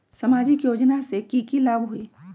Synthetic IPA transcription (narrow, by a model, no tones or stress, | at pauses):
sɐmaːd͡ʒɪkjoːd͡ʒnasekiːkilaːbɦʊiː